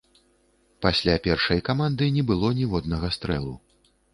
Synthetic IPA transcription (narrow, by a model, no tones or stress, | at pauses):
pasʲlʲapʲɛrʂɐjkamand̪ɨnʲɛbɨlˠɔnʲɛvɔd̪nɐɣɐst̪ɾɛlˠu